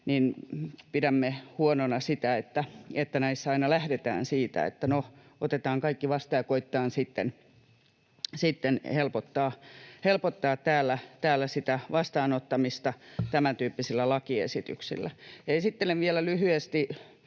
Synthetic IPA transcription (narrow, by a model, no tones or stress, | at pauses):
ninpiɾæmːehuononɑsit̪æet̪ːæet̪ːænæisːæɑinɑlæhdet̪æ̰ːnsiːt̪æ̰ḛt̪ːæno | ot̪et̪ɑːŋkɑikːiʋɑst̪ɑjɑkoit̪ːɑːnsit̪ːḛn | sit̪ːenhelpot̪ːɑːhelpot̪ːɑːt̪tæːlːæt̪æːlːæsit̪æʋɑst̪ɑːnot̪ːɑmist̪ɑt̪æmænt̪yːpːisilːælɑkiḛsit̪y̰ksḭlːæ̰jeisit̪ːeneʋʋielælyhyest̪i